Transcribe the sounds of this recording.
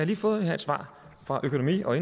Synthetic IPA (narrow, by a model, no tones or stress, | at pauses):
ɑliːfɔ̽ːð̞̩ˠhæ̰ɐd̥sʋɑ̰̈ː | fʁɑ̈ʔøkʰo̝nomḭːɒ̽e̝n